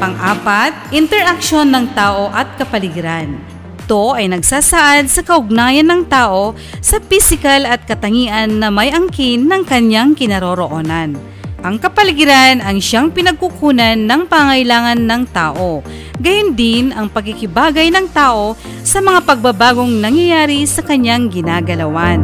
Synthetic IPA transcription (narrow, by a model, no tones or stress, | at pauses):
pɐŋʔaːpat̪̚ʔɪnt̪ɛɾʔak̚ʃo̞nːɐŋt̪aːʔo̞ʔɐt̪̚kɐpɐlɪɡɪɾan | ɪt̪o̞ʔɐjnɐɡsaːsaʔad̪̚sɐkɐʔʊɡ̚naːjɐnːɐŋt̪aːʔo̞ | sɐpisɪkɐlɐt̪̚kɐt̪ɐŋiːʔɐnːɐmɐjʔɐŋkinːɐŋkɐɲjaŋkɪnɐɾoɾoʔoːnɐn | ʔɐŋkɐpɐlɪɡɪɾanɐŋʃaŋpɪnɐɡ̚kukuːnɐnːɐŋpɐŋɐŋɐɪlaːŋɐnːɐŋt̪aːʔo̞ | ɡɐjʊnd̪ɪnɐŋpɐɡ̚kɪkɪbaːɡɐjnɐŋt̪aːʔo̞ | sɐmɐŋapɐɡ̚babaːɡo̞ŋnɐŋjɐjaːɾisɐkɐɲaŋɡɪnaːɡɐlɐwan